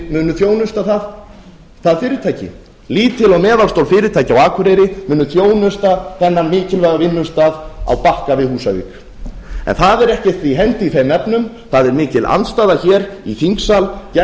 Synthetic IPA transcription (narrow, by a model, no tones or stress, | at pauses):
mʏːnʏθjoːwnʏst̪aθað | θaðfɪːɾɪt̪ʰaːjcɪ̰ | liːt̪ʰɪlɔwmɛːðalst̪owlfɪːɾɪt̪ʰaːjcɪawaːkʰʏɾejɾɪmʏːnːʏθjoːwnʏst̪aθɛnːanmɪːcɪlvaɣavɪnːʏmst̪aːða̰wpahkavɪðhuːsavḭːk | ɛ̰nθaðɛɾɛhcɛ̥t̪viɦɛnt̪ɪiθejmːɛpnʏm | θaðɛɾmɪːcɪla̰nt̪st̪aːðaçɛːɾiθiŋksalcɛ